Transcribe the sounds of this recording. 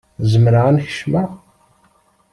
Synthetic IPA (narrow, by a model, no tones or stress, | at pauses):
zəmɾaænçə̥ʃmə